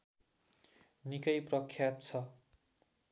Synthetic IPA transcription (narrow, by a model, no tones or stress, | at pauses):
nikʌjprʌkʰːjat̪t͡sʰʌ